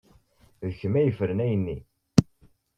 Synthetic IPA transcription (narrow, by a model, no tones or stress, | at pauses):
ðəçəmæjəfəɾənæjənːi